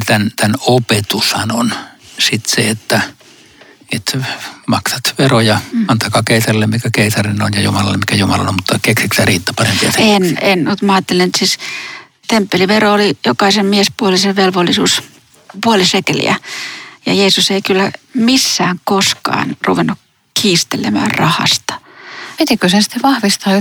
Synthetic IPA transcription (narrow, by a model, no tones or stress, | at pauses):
t̪ænt̪ænopet̪ushɑnonsit̪seet̪ːæ | et̪mɑksɑt̪ʋerojɑmɑnt̪ɑkɑːkeˑisɑrilːemmikækeˑisɑrinonjɑjumɑlɑlːemikæjumɑlɑ̰ommut̪ːɑkeksikst̪æriːt̪ːɑpɑrempiɑt̪enenmut̪mɑɑːt̪ːelenet̪sis | t̪empːeliʋeroolijokɑisemmiespuoliseʋelʋolːisṵːs | puolisekelḭæ̰jɑ̰jeːsuseikylːæmisːæːŋkoskɑ̰ːnruʋenːuk | kʰiːst̪elemæ̰ːrrɑhɑ̰st̪ɑ̥pit̪ikøsensĭ̥t̪ːeʋɑhʋist̪ɑː